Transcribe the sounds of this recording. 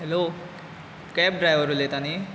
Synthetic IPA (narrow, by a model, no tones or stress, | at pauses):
ɦelo | kɛp̚ɖrajbʱʌɾulet̪ani